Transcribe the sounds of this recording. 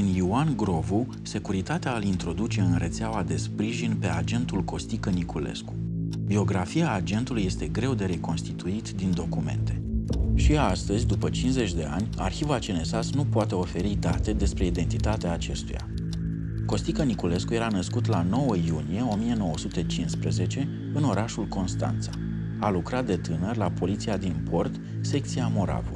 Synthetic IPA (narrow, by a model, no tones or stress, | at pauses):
ɨniuanɡɾo̞vu | se̞kuɾit̪at̪eaːlint̪ɾo̞d̪ut͡ʃe̞ɨnɾe̞t̪seawad̪e̞spɾiʒinpe̞ad͡ʒe̞nt̪ulko̞st̪ikənikule̞̰sku̥bio̞ɡɾafiaːd͡ʒe̞nt̪uluje̞st̪e̞ɡɾe̞wd̪e̞ɾe̞konst̪it̪uit̪d̪ind̪o̞kume̞̰nt̪e̞ʃiast̪əzʲd̪upət͡ʃinze̞t͡ʃʲd̪e̞a̰nʲa̰rçivat͡ʃene̞sasnupoat̪e̞o̞fe̞ɾid̪at̪e̞d̪e̞spɾe̞id̪e̞nt̪it̪at̪eaːt͡ʃe̞st̪uja̰ | ko̞st̪ikənikule̞skuje̞ɾanəskut̪lano̞wəjunije̞o̞mie̞no̞wəsut̪et͡ʃinspɾəze̞t͡ʃe̞ | ɨno̞ɾʔaʃulko̞nst̪a̰nt̪sḁ | alukɾat̪̚d̪e̞t̪ɨnərʲlapo̞lit̪siad̪inpʰo̞rt̪ | se̞k̚t̪siamo̞ɾa̰vṵ